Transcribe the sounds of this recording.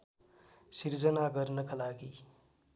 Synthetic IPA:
siɾd͡zʌnaɡʌɾnʌkalaɡi

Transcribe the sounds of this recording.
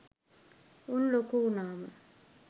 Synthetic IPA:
unlokuunaːma

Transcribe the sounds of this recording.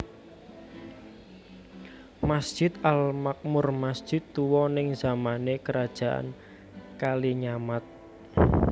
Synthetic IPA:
masd̥ʒ̥ɪt̪almak̚mʊrmasd̥ʒ̥ɪt̪ːuwɔnɪŋzamanekəɾad̥ʒ̥a̤ʔa̰n | kaliɲamat̪̚

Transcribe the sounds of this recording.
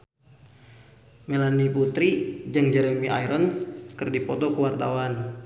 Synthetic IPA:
melaniput̪ɾid͡ʒɨŋd͡ʒɛɾɛmiʔa̰jɾɔnkərdipɔt̪ɔkəwart̪awan

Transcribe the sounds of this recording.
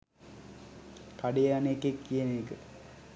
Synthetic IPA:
kaɖejaːnekːekːijenekɨ

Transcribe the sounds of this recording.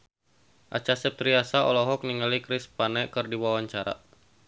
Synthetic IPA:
ʔa̰t͡ʃasɛp̚t̪ɾiasaɔ̰lɔɦɔk̚niŋalikɾɪspanɛkɨrdiwawaɲt͡ʃaɾa̰

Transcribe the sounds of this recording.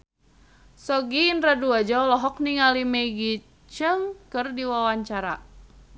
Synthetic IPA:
sɔɡiːnraduad͡ʒaɔlɔɦɔk̚niŋalimɛɡi | t͡ʃəŋkɨrdiwawaɲt͡ʃaɾa

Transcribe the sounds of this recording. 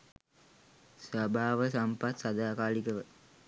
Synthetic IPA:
sʋabʱaːʋəsampat̪sad̪aːkaːlikəʋə

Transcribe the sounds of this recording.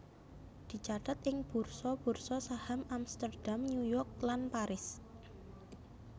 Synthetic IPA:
d̪̥i̤t͡ʃat̪at̪ɪŋb̥ṳrsɔb̥ṳrsɔsahamamst̪ərɖ̥amɲujɔrk̚lanpaɾɪs

